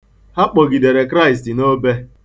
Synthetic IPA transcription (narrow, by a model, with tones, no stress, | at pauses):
ha˦k͡pɔ˨ɡi˨de˨ɾe˨kɾa˦˨ɪ˨stɪ˨no˦be˦